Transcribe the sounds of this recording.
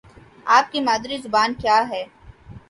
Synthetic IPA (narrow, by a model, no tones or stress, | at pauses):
aːp̚kimaːd̪ɾizʊbaːnkjaːɦɛː